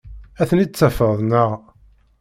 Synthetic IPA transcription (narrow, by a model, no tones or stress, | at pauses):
æθənit͡sːæfəðˤnəʁ